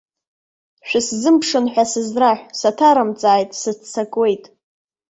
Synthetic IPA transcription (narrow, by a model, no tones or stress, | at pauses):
ʃᶣɪszɨmpʰʂɨnħʷᶣasɨzraħʷᶣsatʰaɾamt͡sʼaːjtʼsɨt͡st͡sʰakʼwe̞jtʼ